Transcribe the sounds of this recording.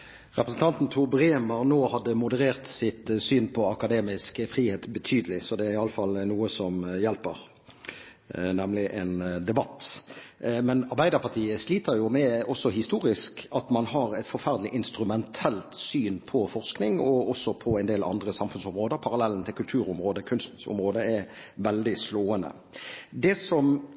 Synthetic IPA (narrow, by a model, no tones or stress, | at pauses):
ʁɛpʁəsn̩t̪ɑnt̪n̩t̪ʰubʁeːmɑʁnoːhɑd̪ːəmʊd̪əʁeːʁt̪sɪt̪syːnpʰɔɑkɑd̪eːmɪskəfʁiːheːt̪bət̪ʰyːd̪əlɪsɔd̪ɛæɾɪɑlːəfɑlnuːəsɔmjɛlpəʁ | nɛmlɪʔɛnd̪ɛbɑt̪ː | mɛnɑɾʁbæɪd̪əpʰɑʁt̪ʰiːəsliːt̪əɾjʊmɛɔsːɔɦɪst̪uːɾɪskɑt̪mɑnɦɑɾɛɪt̪fɔɾfæɾd̪lɪʔɪnst̪ɾʉmɛnt̪ʰɛlt̪syːnpʰɔfɔʁsknɪŋɔɔsɔpʰɔæɪnd̪eːlɑ̰nd̪ɾəsɑmfʉnsɔmʁoːd̪əɾpʰɑɾɑlɛlːn̩t̪ʰɪlkʉlt̪ʰʉːɾʊmɾoːd̪əkʰʉnst̪ʊ̰mʁoːd̪əɛ | ʋɛld̪ɪsloːənə̰ | d̪ɛsɔm